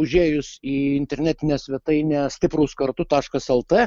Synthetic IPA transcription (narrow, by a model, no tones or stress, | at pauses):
ʊʒʲeːjʊsiːɪnʲt̪ʲɛɾʲnʲæːt̪ʲɪnʲɛːsʲʋʲɛt̪ɐɪnʲɛːsʲt̪ʲɪpɾuːskɐɾt̪ʊt̪ɑːʃkɐsɛlˠt̪eː